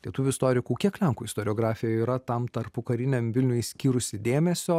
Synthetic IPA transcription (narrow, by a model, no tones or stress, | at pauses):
lʲiɛt̪uʋʲuːɪst̪oːɾʲɪkuːkʲiɛklʲɛŋkuːɪst̪oːɾʲɪoːɡɾɑːfʲɪjoiːɾɐt̪ɐmt̪ɐɾpʊkɐɾʲɪnʲɛmʋʲɪlʲnʲʊjsʲkʲiːɾʊsʲɪd̪ʲeːmʲɛsʲoː